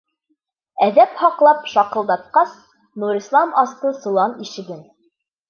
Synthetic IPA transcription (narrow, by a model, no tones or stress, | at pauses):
æðæphɑqlˠɑpʃɑqɤ̆lˠd̪ɑt̪̚qɑs | nuɾislˠɑmɑst̪ɤsulˠɑniʃɘ̆ɡɘn